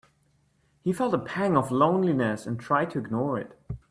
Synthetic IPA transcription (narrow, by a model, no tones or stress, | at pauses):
hifɛlˠtəpʰæ̃ŋʌvlõʊ̃nlinɨsɨ̃ntʰɹ̥aɪd̚tʰɨɨɡnɔɹɪ̰t̚